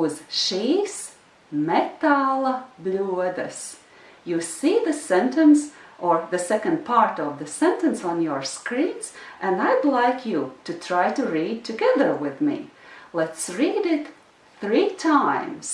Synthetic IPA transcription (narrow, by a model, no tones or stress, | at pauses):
ʌzʃis | mɛtalˠəbluəðɨs | jɨsiðɨsɛ̃ntɨ̃nsʔə˞ðɨsɛkɨ̃nd̚pʰɑɹɾʌvðɨsɛ̃ntɨ̃nsn̩jə˞skɹĩnz̥ʔɨ̃naɪdˡlaɪkʰjɨɾɨtʰɹ̥aɪɾɨɹid̚tʰɨɡɛðə˞wɪðmḭlɛtsɹiɾɪt̪ | θɹitʰãɪ̃mz̥